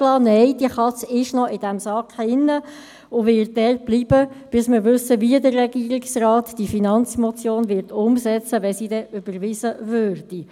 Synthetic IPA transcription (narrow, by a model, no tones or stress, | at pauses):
lɑːnɛɪd̥iəχɑt͡sɪʃnɔʔɪd̥æmsɑkɪnːə | ʊvɪt̚dɛrt̚b̥liːb̥əb̥ɪsmɪɾʋʏsəviədərːɛɡ̥iːəɾɪksraːtd̥ifinɑnt͡smɔt͡sjoːnvɪɾtʰʊmsɛt͡səʋɛsiːdɛʔʏb̥əɾʋizəvøːrd̥i